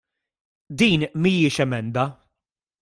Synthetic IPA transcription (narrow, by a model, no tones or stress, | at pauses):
d̪iːnmiːɪʃɛmɛnd̪ɐ